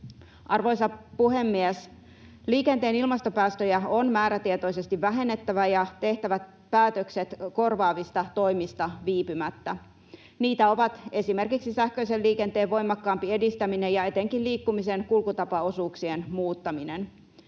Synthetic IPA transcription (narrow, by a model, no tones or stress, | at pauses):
ʔɑrʋo̞jsɑpuɦe̞mːies | liːke̞nt̪e̞ːnilmɑst̪o̞pæːst̪øjæonmæːɾæt̪iet̪o̞jse̞st̪iʋːæɦe̞nːet̪ːæʋæjɑt̪e̞ht̪æʋæt̪ | pæːt̪økse̞t̪ko̞rʋɑːʋist̪ɑt̪o̞jmist̪ɑʋiːpymæt̪ːæ | niːt̪æo̞ʋɑt̪e̞sime̞rkiksisæhkø̞ijse̞lliːke̞nt̪eːʋʋo̞jmɑkːɑːmpie̞dist̪æmine̞jɑe̞t̪e̞ŋkilliːkːumise̞nkulkut̪ɑpɑo̞suːksienmuːt̪ːɑminen